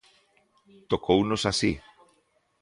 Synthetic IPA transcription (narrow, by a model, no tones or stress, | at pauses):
t̪okʰownosasḭ